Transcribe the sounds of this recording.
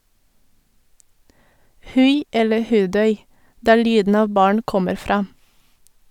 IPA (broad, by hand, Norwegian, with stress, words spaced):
ˈhʉɪ ˈɛlə ˈhʉːˌdœʏ ˈdæːɾ ˈlyːdn̩ ˈɑːʋ ˈbɑːɳ ˈkɔməɾ ˈfɾɑː